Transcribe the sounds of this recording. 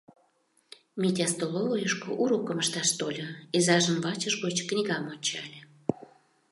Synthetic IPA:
mʲit̪ʲɑst̪olovojəʃkoʔuɾokəməʃt̪ɑʃt̪olʲoezɑʒəmvɑt͡ɕəʃɣot͡ɕknʲiɣɑmonʲt͡ɕɑ̰lʲe

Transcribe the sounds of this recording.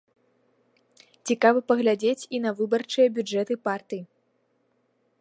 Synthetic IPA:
t͡sʲikavɐpɐɣlʲad͡zʲet͡sʲinɐvɨbɐrt͡ʂɨjɐbʲud͡ʐɛt̪ɨpart̪ɨji

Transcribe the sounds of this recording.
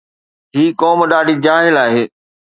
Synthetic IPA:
ɦiːkɔːmɗaːɖʱiːd͡ʑaːɦɪlaːɦeː

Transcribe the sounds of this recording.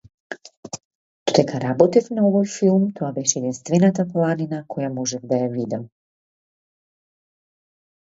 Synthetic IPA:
d̪̥od̪ɛkaɾabɔt̪ifnaɔvɔjfilˠmt̪oabɛʃɛːd̪inst̪vɛnat̪aplˠaninakʰɔjamɔʒɛvd̪ajavid̪ɛ

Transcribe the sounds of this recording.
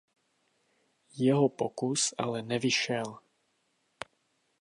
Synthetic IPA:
jɛɦopokusʔa̰lɛnɛvɪʃɛl

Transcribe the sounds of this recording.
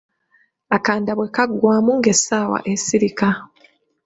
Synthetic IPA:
akaːndaβwe̞kaɡwaːmuŋɡe̞saːwa̰ʔesiɾika

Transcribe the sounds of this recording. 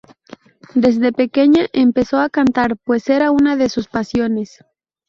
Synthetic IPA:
d̪e̞zðe̞pe̞ke̞ɲaʔempe̞so̞akant̪aɾpwe̞se̞ɾaunaðesuspasjo̞ne̞s

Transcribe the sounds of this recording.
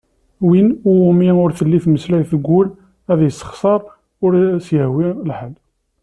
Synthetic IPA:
winʊʊmiʊɾθəlːiθməslajθəɡʷːʊl | æðjəsːə̥χsˤɑɾˤ | ʊɾsjəhwilħəl

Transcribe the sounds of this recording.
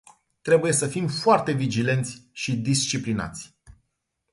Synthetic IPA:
t̪ɾe̞buje̞səfimfoart̪e̞vid͡ʒile̞nt̪sʲʃid̪ist͡ʃiplina̰t̪sʲ

